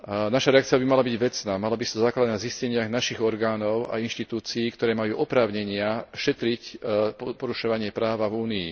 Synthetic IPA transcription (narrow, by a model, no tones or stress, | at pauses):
naʃaɾɛakt͡sijabimalabiɟʋɛt͡snaːmalabist̪ɔzaːklad̪naziscɛɲɪaɣnaʃiɣɔɾɡaːnɔʊa̰inʃt̪it̪uːt͡siːkt̪ɔɾɛːmajuːʔɔpɾaːʊɲɛɲɪaʃɛt̪ɾicppɔɾuʃɔʋaɲɪɛpɾaːʋavuːniḭ